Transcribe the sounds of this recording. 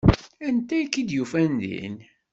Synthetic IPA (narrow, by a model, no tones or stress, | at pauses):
ænt̪æjkːid̪jufænd̪ḭn